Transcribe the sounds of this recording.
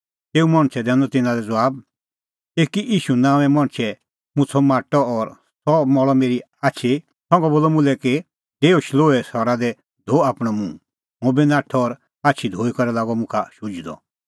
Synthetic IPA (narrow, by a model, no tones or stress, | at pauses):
t̪eːumɐɽ̃t͡ʃʰɛd̪ɛ̃ːnɔt̪ɪnãd̪ɛd͡zɔwaːb | eːkiʔiːʃunãːʋ̃ɛ̃mɔ̃ɽ̃t͡ʃʰɛ | mũt͡sʰɔmaːʈɔːɾ | sɔmɔɭɔmeːɾi | aːt͡ʃʰi | sɔ̃ŋɡɔboːlɔmũlɛke | t̪eːoʃloːɛsɔɾad̪ɛ | d̪ʱoaːpɽ̃ɔmũ | mõbinaːʈʰɔːɾ | aːt͡ʃʰid̪ʱoːikɔɾɛlaːɡɔmʊ̃kʰaʃud͡ʒd̪ɔ̰